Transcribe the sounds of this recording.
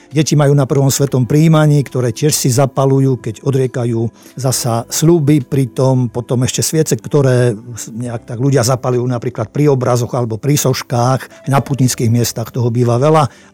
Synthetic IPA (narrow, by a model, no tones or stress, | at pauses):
ɟɛcimajuːnapr̩ʋɔmsʋɛt̪ɔmpɾiːmaɲiːkt̪ɔɾɛːcɪɛʃsizapalujuːkɛɟɔd̪ɾɪɛkajuːzasasʎubipɾit̪ɔmpɔt̪ɔmɛʃcɛsʋɪɛt͡sɛkt̪ɔɾɛːɲɛakt̪aɡluɟɪazapalujuːnapɾiːklat̪̚pɾiɔbɾazɔɣalɛbɔpɾisɔʃkaːx | naput̪ɲit͡skiːɣmɪɛst̪axt̪ɔɦɔbiːʋaʋɛla